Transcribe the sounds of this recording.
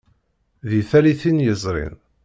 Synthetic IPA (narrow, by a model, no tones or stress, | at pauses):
ðiθæliθinjəzˤɾˤḭn